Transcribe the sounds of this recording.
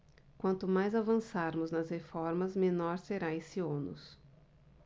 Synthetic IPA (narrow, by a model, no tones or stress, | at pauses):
kwɐ̃nt̪ʊmajzavɐ̃saɾmʊznɐzhefɔɾmɐzmẽnɔɾseɾaesiõnʊ̰s